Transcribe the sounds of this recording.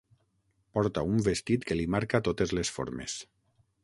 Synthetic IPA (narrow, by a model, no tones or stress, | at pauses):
pɔɾt̪aumbest̪it̪kelimaɾkat̪ot̪ezlesfo̰ɾmḛs